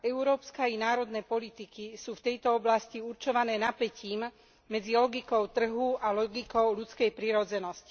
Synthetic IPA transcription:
ɛʊɾɔːpskainaːɾɔd̪nɛːpɔlit̪ikisuːft̪ɛjt̪ɔɔblasciuɾt͡ʃɔʋanɛːnapɛciːm | mɛd͡zilɔɡikɔʊt̪r̩ɦualɔɡikɔʊlut͡skɛjpɾiɾɔd͡zɛnɔsci̥

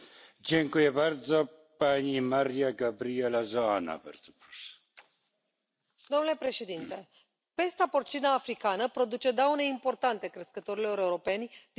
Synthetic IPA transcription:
d͡ʒeŋkujebaɾzo | panʲimaɾijaɡabɾielazoana̰bɛ̰ɾzopɾus | d̪o̞mnule̞pɾe̞ʃe̞d̪int̪e̞ | pe̞st̪apo̞rt͡ʃinaːfɾikanəpɾo̞d̪ut͡ʃe̞d̪awne̞impo̞rt̪ant̪e̞kɾeskət̪o̞ɾilo̞ɾe̞uɾo̞pe̞nʲd̪

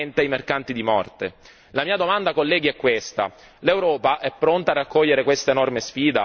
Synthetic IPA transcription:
nt̪eajmerkant̪id̪imɔrt̪e | lamiːad̪omand̪akolːɛːɡiɛkːwest̪a̰ | lewɾɔːpaʔɛpːɾont̪aːrːakːɔʎːeɾekwest̪aenɔrmesfiːd̪a

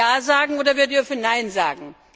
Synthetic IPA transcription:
aːzaːɡŋ̩ʔoːdɐvʏɐdiːfyːɐnaɪnza̰ːɡŋ̩

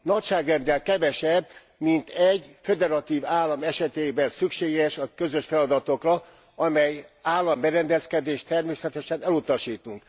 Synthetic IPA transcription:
nɒcʃaːɡrɛnd̪ɛlkɛvɛʃɛb | mint̪ɛɟfed̪ɛɾɒt̪iːvaːlːɒmɛʃɛt̪eːbɛnsykʃeːɡɛʃɒkøzø̞ʃfɛlɒd̪ɒt̪o̞krɒ | ɒmɛjaːlːɒmbɛɾɛnd̪ɛskɛd̪eːʃt̪ɛrmeːsɛt̪ɛʃɛnɛlut̪ɒʃiːt̪uŋk

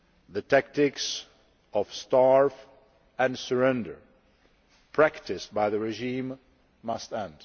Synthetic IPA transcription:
ðətʰæk̚tɪks | ɔfstɑɹf | ɛ̃nsəɹɛ̃ndə̰˞ | pʰɹæktɪst̚baɪðəɹɛʒĩːmː | ʌstɛ̃nd̥

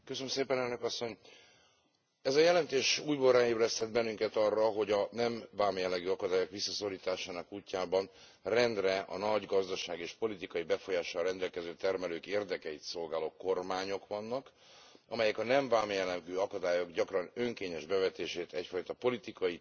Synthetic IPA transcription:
køsønømseːpɛnɛlnø̞kɒsːo̞ɲ | ɛzɒjɛlɛnt̪eːʃuːjbolraːeːbɾɛst̪ɛd̪̚bɛnːyŋkɛt̪ɒrːɒɦo̞ɟɒnɛɱvaːmjɛlːɛɡyːɒkɒd̪aːjo̞kʋisːɒsoriːt̪aːʃaːnɒkuːcːaːbɒn | rɛnd̪rɛʔɒ̰nɒɟɡɒzd̪ɒʃaːɡieːʃpo̞lit̪ikɒjibɛfo̞jaːʃɔːrɛnd̪ɛlkɛzøːt̪ɛrmɛløːkeːrd̪ɛkɛjit̪so̞lɡaːloːko̞rmaːɲo̞kʋɒnːɒk | ɒmɛjɛkɒnɛɱvaːmjɛlːɛɡyːɒkɒd̪aːjo̞ɡɟɒkrɒnø̞ŋkeːɲɛʒbɛvɛt̪eːʃeːt̪ɛcfɒjt̪ɒpo̞lit̪ikɒji

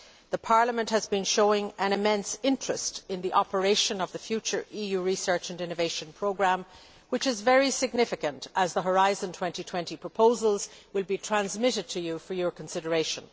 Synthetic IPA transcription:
ðəpʰɑɹləmə̃nʔhəzbɨ̃nʃoʊɪ̃ŋə̃nɨmɛ̃nsɪ̃nt͡ʃɹ̥ɨstɪ̃nðiʔɑpə˞eɪʃə̃nʌvðəfjʉt͡ʃə˞ijʉɹisɜ˞t͡ʃɨ̃nɪ̃nɨveɪʃə̃npʰɹ̥oʊɡɹæ̃m | wɨt͡ʃɨzvɛɹisɪɡ̚nɪfɨkə̃ntʔəzðəɦə˞aɪzə̃ntʰw̥ɛ̃ntitʰw̥ɛ̃ntipʰɹ̥əpʰoʊzəlˠzwɪlˠbitʰɹ̥æ̃nzmɪɾɨd̚tʰɨjɨfə˞jə˞kʰə̃n̩sɪɾə˞eɪʃə̰̃n

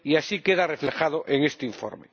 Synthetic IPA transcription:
iasikeðareflexað̞oʔeŋest̪eiɱfo̰ɾme

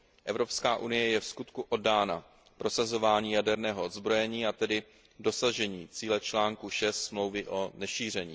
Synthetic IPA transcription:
ʔɛvɾo̞pskaːʔunɪjɛjɛfskut̪kuʔo̞daːna | pɾo̞sazo̞vaːɲiːjadɛɾnɛːɦoʔod̪zbɾo̞jɛɲiːat̪ɛdɪ | do̞saʒɛɲiːt͡siːlɛt͡ʃlaːŋkuʃɛst̪smlo̞wvɪʔo̞nɛʃiːr̝ɛɲiː

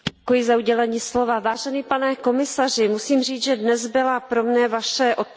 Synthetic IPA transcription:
kojɪzauɟɛlɛɲiːslo̞vavaːʒɛniːpanɛko̞mɪsar̝ɪmusiːmr̝iːt͡sʒɛdnɛzbɪlapɾo̞mnɛvaʃɛʔot̪̚

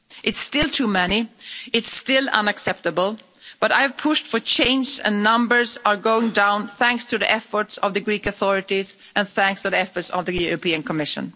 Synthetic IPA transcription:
ʔɨtstɪlˠtʰumɛniɨtstɪlˠʌ̰̃nɨksɛp̚tɨbəl̩ˠ | b̥ʌɾa̰ɪɨv̥pʰʊʃtfə˞t͡ʃʰẽɪ̃nd͡ʒɨ̰̃nːʌ̃mbə˞zə˞ɡoʊɪ̃ŋdãʊ̃nθæ̃ŋkstʰɨðiʔɛfə˞tsʌvðɨɡɹikɨθɔɹɨɾiz | ʔɨ̃nθæ̃ŋkstʰɨðiɛfə˞tsʌvðɨjʊɹɨpĩɨ̃nkʰəmɪʃɨ̰̃n

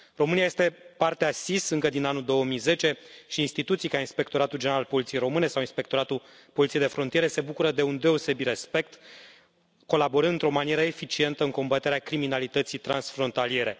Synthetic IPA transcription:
ro̞mɨniaje̞st̪e̞part̪easisɨŋkəd̪inanuld̪o̞wəmijze̞t͡ʃe̞ʃiːnst̪it̪ut̪sijkainspe̞k̚t̪o̞ɾat̪uld͡ʒeeɾalpolit̪iejɾo̞mɨne̞sawinspe̞kt̪o̞ɾat̪ul | polit̪siejd̪e̞fɾo̞nt̪ijeɾe̞se̞bukuɾəd̪e̞und̪e̞o̞se̞bit̪ɾe̞spe̞k̚t̪ | ko̞labo̞ɾɨnɨnt̪ɾo̞manie̞ɾəe̞fit͡ʃie̞nt̪əɨŋko̞mbat̪eɾeakɾiminalit̪ət̪sijt̪ɾa̰nsfɾo̞nt̪alije̞ɾe̞

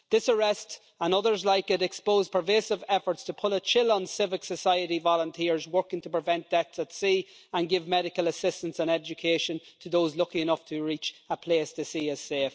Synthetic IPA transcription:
d̪̥ɪsəɹɛst | ə̃nʌðə˞zlaɪkɪɾɛkspoʊz̥pʰəveːsɪvɛfə˞tstʰəpʰʊɾət͡ʃʰɪlə̃nsɪvɪksəsaɪəɾivɑlə̃ntʰɪɹzwɜ˞kɪ̃ŋtʰəpɹ̥ɪvɛ̃nd̥ɛt̪sətsiːə̃nɡɪvmɛɾɪkələsɪstə̃nsə̃nɛd͡ʒəkʰeːʃə̃ntʰəðoʊzlʊkĩɪnʌftʰəɹit͡ʃəpʰl̥eːstʰəsiːəz̥seːf

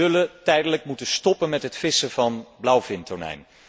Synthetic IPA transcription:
ɵlətɛjdələk̚mutənstɔpənmɛtɦətfɪsəvɑnblʌwvɪntɔɹnɛ̰jn

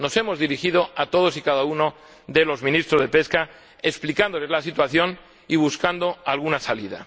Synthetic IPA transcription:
no̞se̞mo̞zðiɾixið̞o̞at̪o̞ð̞o̞sikaðauno̞ | ðelo̞zmĩnist̪ɾozðe̞pe̞ska | eksplikand̪ole̞zlasit̪waθjo̞n | iβ̞uskand̪o̞alɣunasaliða̰

